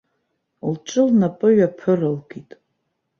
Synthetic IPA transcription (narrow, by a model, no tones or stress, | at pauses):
lt͡ʃʼɨlnapʼɨɥapʰɨrɨlɡitʼ